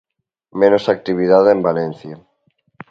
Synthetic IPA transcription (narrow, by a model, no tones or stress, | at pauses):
menosak̚t̪iβ̞iðaðembalen̟θja